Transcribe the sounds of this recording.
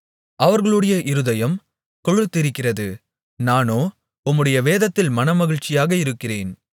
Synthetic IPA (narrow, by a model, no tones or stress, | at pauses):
ʔɐʋɐɾɣɐɭɯɽɐjɐʔɪɾɯðɐjɐm | kɔɻɯt̪ːɪɾɪkːɪrɐðɯ | naːnoː | ʊmːɯɽɐjɐʋeːðɐt̪ːɪlmɐnɐmɐɣɪɻt͡ʃɪjaːɣɐɪɾɯkːɪreːn